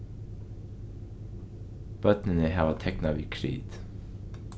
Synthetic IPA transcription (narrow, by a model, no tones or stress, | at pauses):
b̥œt̪nənəhæːʋɑːt̪ʰɛknɑʋiːkʰɾḭːd̪̥